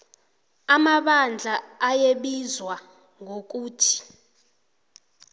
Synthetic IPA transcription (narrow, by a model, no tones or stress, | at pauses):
amaɓand͡ɮʱaːjeɓizwa | ŋʱok̬uːtʰi̥